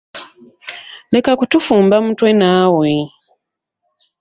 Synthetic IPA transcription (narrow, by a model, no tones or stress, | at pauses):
le̞kakutufuːmbamutwenaːwe